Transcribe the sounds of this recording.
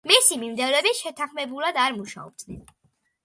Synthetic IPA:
misimimd̪ɛvlɛbiʃɛt̪ʰaχmɛbulˠad̪aɾmuʃa̰ɔ̰b̥̚d̪nɛ̰n

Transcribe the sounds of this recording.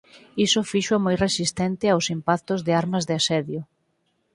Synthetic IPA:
isʊfiʃamojresist̪ɛnt̪ɪawsimpak̚t̪ʊzðeɪaɾmazðeasɛðjʊ

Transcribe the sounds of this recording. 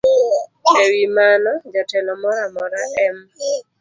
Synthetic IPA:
ewimanɔd͡ʒatɛlɔmɔɾamɔɾaʔɛm

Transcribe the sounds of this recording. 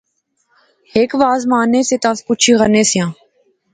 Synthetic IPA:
heːkʋaːzmaːneːseːt̪ãːskʊt͡ʃʰiːɣəneːsɪjãː

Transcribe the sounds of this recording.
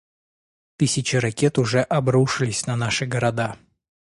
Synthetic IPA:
t̪ɨsʲɪt͡ɕɪɾɐkʲet̪ʊʐɛʔɐbɾuʂɨlʲɪsʲnɐnaʂɨɡəɾɐd̪a

